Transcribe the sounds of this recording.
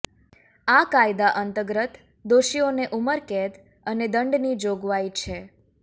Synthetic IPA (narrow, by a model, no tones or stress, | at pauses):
akajd̪aʔənt̪əɡɾət̪ | d̪oʃioneʔuməɾket̪ | əned̪əɳɖnid͡ʒoɡʋait͡ʃʰe